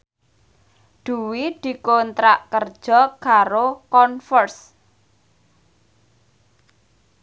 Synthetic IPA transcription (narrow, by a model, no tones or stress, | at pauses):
d̪̥ṳwid̪̥i̤kont̪ɾaʔkərd̥ʒ̥ɔ̤kaɾokɔnfɔrs